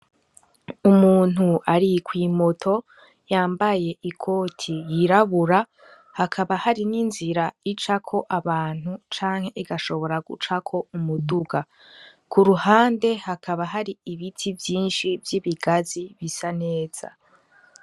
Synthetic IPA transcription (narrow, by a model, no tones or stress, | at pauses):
umuːn̥uʔaɾikwiːmo̞tʰo̞ | jaːmbaje̞ʔikʰo̞ːtʰijiɾaβuɾa | hakʰaβahaɾininziɾait͡ʃakʰo̞ʔaβaːn̥hut͡ʃaːŋhe̞ʔiɡaʃo̞βo̞ɾaɡṵt͡ʃakʰo̞umuduɡa | kuɾuhaːnde̞hakʰaβaɦaɾiiβitʰivjiːnʃivjiβiɡaziβisane̞ːz̥a̰